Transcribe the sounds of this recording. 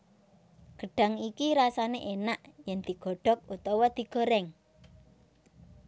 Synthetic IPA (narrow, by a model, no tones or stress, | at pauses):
ɡ̥ə̤ɖ̥a̤ŋikiɾasaneʔenaʔjɛnd̪̥i̤ɡ̥ɔ̤ɖ̥ɔ̤k̚ut̪ɔwɔd̪̥i̤ɡ̥ɔ̤ɾɛŋ